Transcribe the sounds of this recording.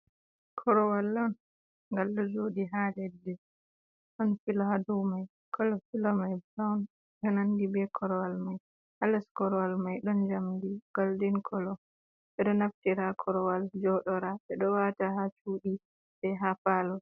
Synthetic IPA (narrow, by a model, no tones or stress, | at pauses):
kʰɔɾɔwalːɔn | ŋɡalːɔd͡ʒoːdiɦadɛdːɛ | ɗɔnfilaadɔmaj | kʰɔlɔfilɔmajbɾawn | ɗɔnandibɛkʰɔɾɔwalmaj | halɛskɔɾɔwalmajɗɔnd͡ʒamdiɡ̥aldinkʰɔlɔ | ɓɛɗɔnaftiɾakʰɔɾɔwald͡ʒɔɗɔɾaɓɛɗɔwataɦat͡ʃuːɗi | ɓɛɦafalɔ